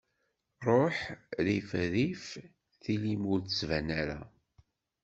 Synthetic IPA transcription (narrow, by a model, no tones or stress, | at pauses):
rˤoħɾifɾif | θilimuɾt̪əsvænaɾæ̰